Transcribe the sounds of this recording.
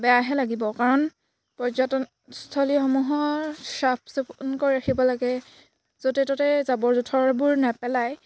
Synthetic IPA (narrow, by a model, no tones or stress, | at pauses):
bɛjaɦɛlaɡibɔkaɹɔn | pɔzɔtɔn | stʰɔlixɔmuɦɔsap̚ʰsɔpnkoɹiɹaxʰibɔlaɡɛ | z̥otɛtɔtɛzabɔɹzutʰɔɹbʊɹnɛpɛlaj